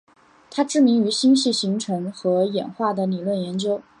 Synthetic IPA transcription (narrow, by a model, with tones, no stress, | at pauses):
t̪ʰa˥ʈ͡ʂɻ̩˥˩mi˧˥ŋy˧˥ɕi˥ŋɕi˥˩ɕi˧˥ŋʈ͡ʂʰɤ˧˥ŋxɤ˧˥jɛ̰˨˩nxwa˥˩d̪ə˩li˨˩lwə˥˩njɛ˧˥nt͡ɕjo˥ʊ